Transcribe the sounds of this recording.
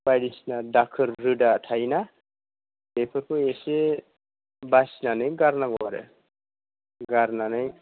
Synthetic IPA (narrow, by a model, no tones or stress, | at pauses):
bajɽisnadakʰɯɾːudatʰajna | bepʰɯkuese | basinanɯjɡaɾnaŋɔɾḛ | ɡaɾnanɯj